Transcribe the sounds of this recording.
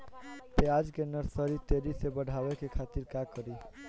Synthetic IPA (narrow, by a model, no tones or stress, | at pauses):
pead͡ʒkenəɾsəɾit̪eɾisebəɽʱabekekʰat̪iɾkakəɾi